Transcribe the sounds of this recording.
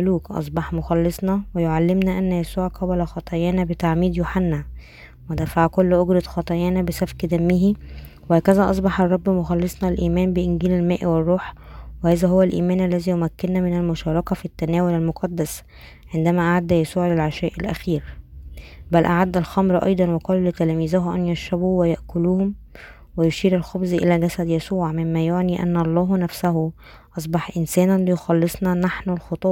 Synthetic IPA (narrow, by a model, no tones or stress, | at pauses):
luːkʔɑ̰sˤbɑħmoxɑlːɨsˤnɑwejoʕalːemnæʔænːæjæsuːʕqɑbælæxɑt̪ˤɑjæːnæbet̪aʕmiːd̪joħanːæ | wed̪æfaʕkolːʔoɡɾɑt̪xɑt̪ˤɑjæːnæbesæfkd̪æmːihi | wehæːkæzæʔɑs̬ˤbɑħɑrˤːɑbːmoxɑlːesˤnɑlʔiːmæːnbeʔɪnɡiːlælmæːʔwerˤːuːħwehæːzæɦowːælʔḭːmæːnʔælːæziːjomækːenːæmɪnælmʊʃɑːɾˤɑkɑfit̪ːænæːwolælmoqɑd̪ːæs | ʕend̪æmæʔaʕad̪ːæjæsuːʕlelʕaʃæːʔɪlʔæ̰xiːɾ | bælʔaʕad̪ːælxɑmɾʔɑ̰jd̪ˤɑnweqɑːllet̪ælæːmiːzæɦʔæ̰njæʃːæbuwejaʔkʊluːhʊm | wejoʃiːɾælxobzʔḛlæːɡæsæd̪jæsuːʕmɪmːæjoʕniːʔæ̰nːɑlˤːɑːɦnæfsæɦʊ | ʔɑs̬ˤbɑħʔɪnsæːnænlejoxɑlːesˤnɑnaħnolxɑt̪ˤu